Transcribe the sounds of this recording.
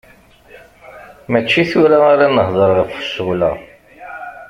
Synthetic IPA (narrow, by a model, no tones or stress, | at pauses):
mæt͡ʃːiθuɾaaɾanəhðˤəɾʁəfə̥sulæ̰